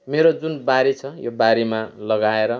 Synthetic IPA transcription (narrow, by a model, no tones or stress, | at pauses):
meɾod͡zunbaɾet͡sʰʌjo̰baɾemalʌɡaeɾʌ